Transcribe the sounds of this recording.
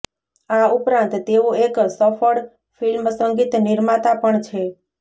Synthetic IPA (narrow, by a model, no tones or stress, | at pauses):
aupɾãnt̪ːeũeksəfəɽ | filmsəŋɡit̪niɾmat̪apəɳt͡ʃʰe